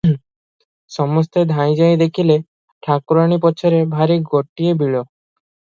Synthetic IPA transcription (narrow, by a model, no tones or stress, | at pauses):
ʃɔmost̪ed̪ʱajd͡ʑajd̪ekʰile | ʈʰakːuɾanipɔt͡ɕʰɔɾebʱaɾiɡoʈːiebiɭo